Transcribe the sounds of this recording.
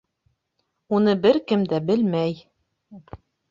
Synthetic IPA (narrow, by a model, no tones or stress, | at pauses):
unɤbɘɾkɘmd̪æbɘlmæj